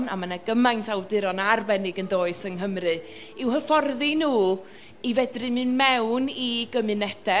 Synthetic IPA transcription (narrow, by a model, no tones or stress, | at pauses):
na̰manaɡəmajntʰawdɪɾɔnarbɛnɪɡəndoːɨsəŋɦəmrɨ | ɪwhəfɔrðinuː | ivɛdrɨmɨnmɛwniɡ̥əmɨnɛd̥ɛ